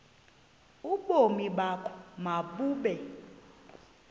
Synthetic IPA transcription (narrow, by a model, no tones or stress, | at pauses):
uɓomiɓakʰɔ̥maɓuːɓɛ